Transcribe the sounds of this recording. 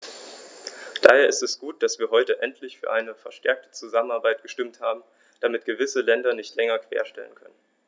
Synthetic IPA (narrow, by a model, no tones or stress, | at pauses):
d̥aːheːɐɪstɛsɡ̥uːt̚d̥asv̥iːɐɦɔʏtəʔɛntʰlɪçfyːɐʔaɪnəfɛɐʃtɛɐk̚tə̥t͡suzamənaɐbaɪt̚ɡ̥əʃtɪmthaːbm̩ | d̥amɪtɡ̥əvɪsəlɛndɐnɪçtʰlɛŋɐkv̥ḛːɐʃtɛ̰lə̰nkʰœnən